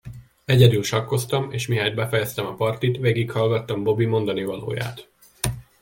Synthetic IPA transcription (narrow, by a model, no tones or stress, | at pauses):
ɛɟɛd̪ylʃɒkːo̞st̪ɒmeːʃmiɦaːd̪̚bɛfɛjɛst̪ɛmɒpɒrt̪it̪ʋeːɡikhɒlɡɒt̪ːɒmbo̞bimo̞nd̪ɒnivɒlo̰ːja̰ːt̪